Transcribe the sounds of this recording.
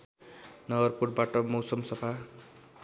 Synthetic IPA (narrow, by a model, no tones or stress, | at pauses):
nʌɡʌrpurʈ̚baʈʌmʌwsʌmsʌpʰa